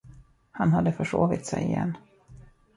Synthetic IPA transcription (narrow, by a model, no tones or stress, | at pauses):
hanhad̪ːəfœʂoːvɪt̪sɛjɪjɛ̰nː